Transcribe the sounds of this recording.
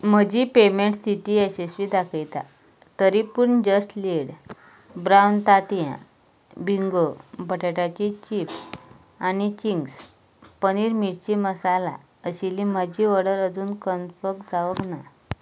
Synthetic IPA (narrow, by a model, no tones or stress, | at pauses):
məd͡ʑipemeɳʈst̪ʰit̪iesesʋid̪akʰəjt̪a̰ | t̪əɾipuɳd͡ʑəsʈleɽ | bɾawnt̪at̪jã̰ | bʱiŋɡobʱəʈeʈat͡ɕit͡ɕip | añit͡ɕiŋɡs | pəñiɾmiʈt͡ɕiməsala̰ | əɕiliməd͡ʑiʋəɽəɾəd͡zuːnkənfəkd͡zaʋəkna